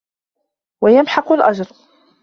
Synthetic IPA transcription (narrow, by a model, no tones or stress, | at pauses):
wajamħɑqʊlʔad͡ʒɾˤ